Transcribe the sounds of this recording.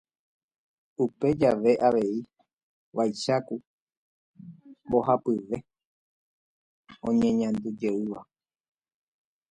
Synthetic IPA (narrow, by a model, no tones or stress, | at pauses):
upe̞d͡ʒaʋe̞ʔaʋe̞i | ʋajʃaku | bo̞hapɨʋe̞ | õ̞ɲẽ̞ɲãnd̪ud͡ʒe̞ɨʋa